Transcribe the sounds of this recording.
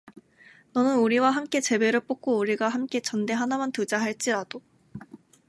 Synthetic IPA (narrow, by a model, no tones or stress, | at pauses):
nʌnɯnuɾiwaɦamk͈e̞t͡ɕe̞be̞ɾɯɭp͈ok͈ouɾiɡaɦamk͈e̞t͡ɕʌnde̞ɦanamantɯd͡ʑaɦaɭt͡ɕ͈iɾad̥o